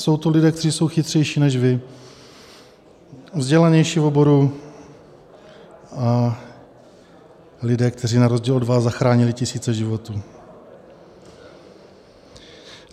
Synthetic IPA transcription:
so̞wt̪olɪdɛːkt̪ɛriːso̞wxɪt̪r̝̥ɛjʃiːnɛʃvɪ | vzɟɛlaɲɛjʃivo̞bo̞ɾu | a | lɪdɛːkt̪ʰɛr̝iːnaɾozɟiːlodvazzaxɾaːɲɪlɪcɪsiːt͡sɛʒɪvo̞t̪uː

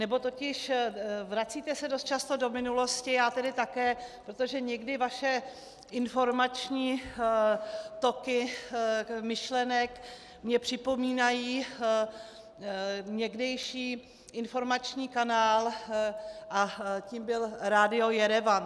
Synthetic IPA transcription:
nɛbo̞t̪ocɪʃvɾat͡siːt̪ɛsɛdost̪t͡ʃast̪o̞do̞mɪnulo̞scɪjaːt̪ɛdɪt̪akɛːpɾot̪o̞ʒɛɲɛɡdɪvaʃɛ | ʔɪnfo̞ɾmat͡ʃɲiː | t̪o̞kɪ | mɪʃlɛnɛk | mɲɛpr̝̥ɪpo̞miːnajiː | ɲɛɡdɛjʃiː | ʔɪnfo̞ɾmat͡ʃɲiːkanaːl | ʔaciːmbɪlɾaːdɪo̞jɛɾɛvan

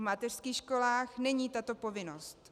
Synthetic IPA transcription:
mat̪ɛr̥skiːxʃko̞laːxnɛɲiːt̪at̪o̞po̞vɪnost̪

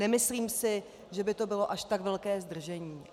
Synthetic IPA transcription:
nɛmɪsliːmsɪ | ʒɛbɪt̪o̞bɪlo̞ʔaʃt̪aɡvɛlkɛːzd̪r̩ʒɛɲiː

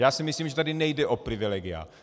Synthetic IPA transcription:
jaːsimɪsliːmʒɛt̪adɪnɛjdɛʔopɾɪvilɛːɡɪa̰

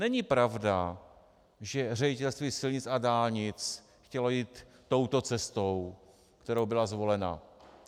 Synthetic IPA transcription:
nɛɲɪpɾavda | ʒɛr̝ɛɟɪt̪ɛlst̪viːsɪlɲɪt͡sadaːlɲɪt͡s | xcɛlo̞jiːt̪ː | o̞wt̪o̞t͡sɛst̪ow | kt̪ɛɾowbɪlazvo̞lɛna̰

